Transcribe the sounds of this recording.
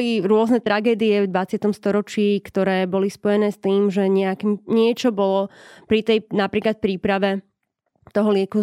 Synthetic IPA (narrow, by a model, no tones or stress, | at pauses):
liɾʊɔznɛt̪ɾaɡɛːd̪iɛvd̪ʋat͡sɪat̪ɔmst̪ɔɾɔt͡ʃiːkt̪ɔɾɛːbɔlispɔjɛnɛːst̪iːmʒɛɲɛakiɲɪɛt͡ʃɔbɔlɔpɾit̪ɛjnapɾiːklat̪̚pɾiːpɾaʋɛ | t̪ɔɦɔlɪɛku